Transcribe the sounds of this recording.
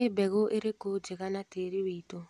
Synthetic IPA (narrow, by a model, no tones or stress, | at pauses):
ebɛɣoʔeɾekod͡ʒeɣanateɾiwito